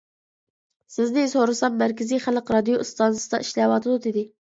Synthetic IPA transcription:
sɪznɪsoɾɨsɑmmːæɾkʲʰɪziχælqɾɑd̪ijost̪ɑnsɨ̥d̪ɑʔiʃlɛwɑt̪ʰɨd̪ud̪ɪd̪ɪ

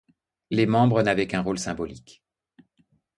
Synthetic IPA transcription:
lemɑ̃bʁənavɛkɛ̃ʁolsɛ̃bɔlik

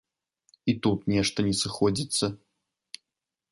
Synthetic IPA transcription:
it̪ut̪nʲɛʂt̪ɐnʲɛsɨxɔd͡zʲit̪sːɐ

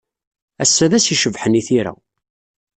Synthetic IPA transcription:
æsːæðæsiʃəvħəniθiɾæ̰

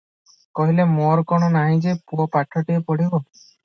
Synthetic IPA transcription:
kɔɦilemɔɾkɔɽ̃ɔnaɦĩd͡ʒepuɔpaʈʰɔʈiepɔɽibɔ

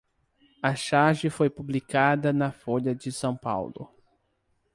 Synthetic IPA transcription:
ɐʃaʒɪfojpublikad̪ɐnɐfoʎɐd͡ʒɪsɐ̃w̃pa̰wlʊ̰

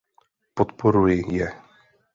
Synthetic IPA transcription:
pot̪poɾujɪjɛ

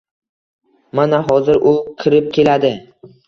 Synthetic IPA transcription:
manaɦɒzɪɾʔʊqʲʰɪɾɪp̚kʲe̞lad̪ɪ

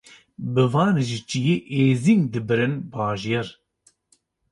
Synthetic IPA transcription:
bɨvaːnɨʒit͡ʃijeʔeːziŋd̪ɨbɨɾɨnbaːʒijɛɾ

